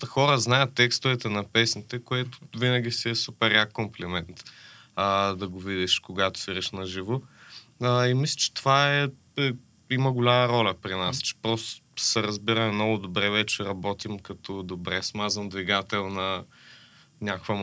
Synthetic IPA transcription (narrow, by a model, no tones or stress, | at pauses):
t̪əxɔɾəznajət̪ːɛkst̪ʊvɛt̪ɛnɐpɛsnit̪ɛkoɛt̪ʊ̥vinəɡ̟ʲisiɛsupɛɾjakːomplɛmɛnt̪ | əd̪ɐɡovid̪iʃkoɡat̪ʊ̥siɾɛʃnɐʒivʊ | əimislʲə̥t͡ʃɛ̥t̪ovaɛ | ɛ | iməɡʊlʲamɐɾɔlʲɐpɾinast͡ʃɛ̥pɾɔst̪osɛɾɐzbiɾɐɛmnɔɡʊd̪obɾɛvɛt͡ʃɛɾɐbɔt̪imkɐt̪ɔd̪obɾɛsmazənd̪viɡat̪ɛlˠnɐ | nʲakvə